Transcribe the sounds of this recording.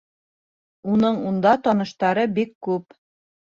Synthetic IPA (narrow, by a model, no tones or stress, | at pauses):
unɤɴund̪ɑt̪ɒnɤ̆ʃt̪ɑɾɤbikːʉp